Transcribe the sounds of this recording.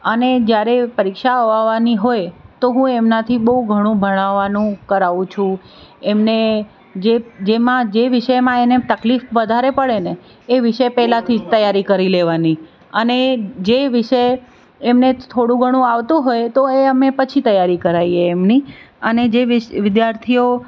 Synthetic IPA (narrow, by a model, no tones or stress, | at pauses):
əned͡ʒjaɾepəɾikʃaəʋaʋaniɦojt̪oɦũemnat̪ʰibəɦuɡʱəɽ̃ũbʱəɽ̃aʋanũkəɾaʋũt͡ʃʰũ | emne | d͡ʒed͡ʒemãd͡ʒeʋɪʃəjmãenet̪əklifʋəd̪ʱaɾepəɭeneː | ʋɪʃəjpɛɦlat̪ʰit̪əjaɾikəɾileʋani | əned͡ʒeʋɪʃəj | emnet̪ʰoɽũɡʱəɽ̃ũaʋt̪ũɦojt̪oeəmepət͡ʃʰit̪əjaɾikəɾaieːmni | əned͡ʒeʋɪʋɪd̪jaɾt̪ʰio